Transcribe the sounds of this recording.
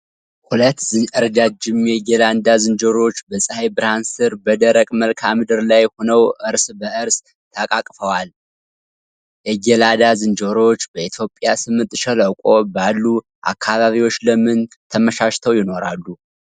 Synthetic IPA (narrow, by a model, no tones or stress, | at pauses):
hulət̪ːzɨəɾəd̪ad͡ʒɪmjɛɡeland̪azɨnd͡ʒoɾo̞t͡ʃːbəsʼɨhajbɨɾansɨɾbəd̪əɾəkʼməlkʰamɨd̪ɨɾlajho̞nəwʔɨɾsbəʔɨɾs | t̪ʰakʼakʼfəwal | jɛɡelad̪azɨnd͡ʒoɾo̞t͡ʃːbəit̪ʰjo̞pʼjasɨmɨnt̪ʼʃɛləkʷʼo̞balːu | ʔa̰kʰːaβaβiwo̞t͡ʃːləmɨnt̪ʰəməʃaʃt̪ʰəwjɪno̞ɾalːu